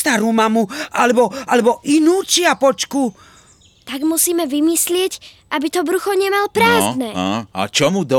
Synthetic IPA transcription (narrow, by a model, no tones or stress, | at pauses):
t̪aɾuːmamuʔalɛbɔalɛbɔʔinuːt͡ʃɪapɔt͡ʃku | t̪aɡmusiːmɛʋimislɪɛc | ʔabit̪ɔbɾuxɔɲɛmalpɾaːznɛːaa̰t͡ʃɔmud̪ɔ